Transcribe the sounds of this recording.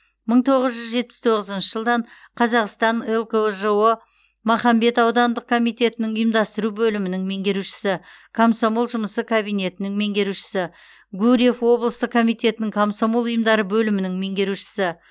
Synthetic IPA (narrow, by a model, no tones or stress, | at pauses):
məɴt̪ʰo̞ʁəzʒʏzʒe̞t̪̚pɪst̪ʰo̞ʁəzənʃəʒəlˠd̪ɑɴ | qʰɑzɑqst̪ɑnelˠkoʒəwə | mɑχɑmbe̞t̪ɑwd̪ɑnd̪əq̚kʰo̞mijt̪e̞t̪ɪnɪŋʊjəmd̪ɑst̪əɾubɵlɪmɪnɪŋme̞ŋɡʲe̞ɾuʃɪ̥sɪ | kʰomsomolˠʒʊməsəkʰabijne̞t̪ɪnɪŋme̞ŋɡʲe̞ɾuʃɪ̥sɪ | ɡuɾije̞fwo̞blˠəst̪əq̚kʰːo̞mijt̪e̞t̪ɪnɪŋkʰomsomolˠʊjəmd̪ɑɾəbɵlɪmɪnɪŋme̞ŋɡʲe̞ɾuʃɪ̥sɪ